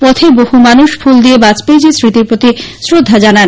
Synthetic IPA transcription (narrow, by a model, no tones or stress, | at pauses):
pɔt̪ʰebohumanuʃfuld̪iebat͡ɕped͡ʑesɾit̪iɾpɾot̪isɾod̪ʱːad͡ʑanan